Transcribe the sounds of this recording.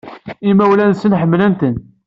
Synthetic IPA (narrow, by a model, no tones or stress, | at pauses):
imæwlænsənħəmːlənt̪ən